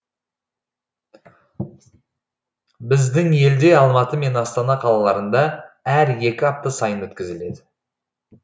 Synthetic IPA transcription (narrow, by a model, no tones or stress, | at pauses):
bɪzd̪ɪŋe̞ld̪e̞ɑlˠmɑt̪əme̞nɑst̪ɑnɑqʰɑlˠɑlˠɑɾənd̪ɑæɾje̞kʲɪɑp̚t̪əsɑjənwɵt̪kʲɪzɪle̞d̪ɪ